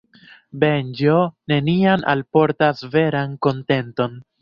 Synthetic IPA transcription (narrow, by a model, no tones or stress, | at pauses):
be̞nd͡ʒo̞ne̞niana̰lpo̞ɾtasve̞ɾanko̞nte̞nto̞n